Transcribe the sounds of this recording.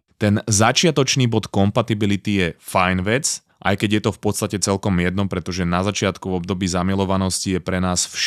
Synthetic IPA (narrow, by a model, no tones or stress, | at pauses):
t̪ɛnzat͡ʃɪat̪ɔt͡ʃniːbɔt̪kɔmpat̪ibilit̪ijɛfajnʋɛt͡s | ʔa̰jkɛɟjɛt̪ɔfpɔt̪st̪acɛt͡sɛlkɔmjɛd̪nɔmpɾɛt̪ɔʒɛnazat͡ʃɪat̪kuvɔbd̪ɔbiːzamilɔʋanɔscijɛpɾɛnaːsfʃ